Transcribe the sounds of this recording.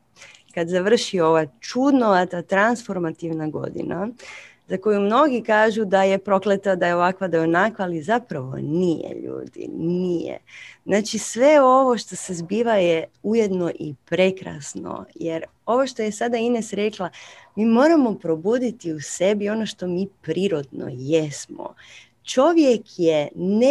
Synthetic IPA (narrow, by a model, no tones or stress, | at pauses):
kad̪zaʋr̩ʃioʋat͡ʃud̪noat̪at̪ɾansfo̞ɾmat̪iʋnaɡo̞̰d̪ḭna | zako̞jumno̞ɡikaːʒud̪aje̞pɾo̞klet̪ad̪ajeo̞ʋakʋad̪ajonakʋaːlizapɾaʋo̰nijḛʎṵːd̪ḭnijḛznaːt͡ʃisʋe̞o̞ʋo̞ʃt̪o̞sezbiːʋajeujed̪no̞ʔipɾe̞kɾa̰sno̰jeɾ | o̞ʋoʃt̪o̞jesad̪ainesɾeklˠamiːmo̞ːɾamo̞pɾo̞buːd̪it̪iuse̞bio̞no̞ʃt̪o̞miːpɾiːɾo̞d̪no̰jesmo̰ | t͡ʃo̞ʋjekjene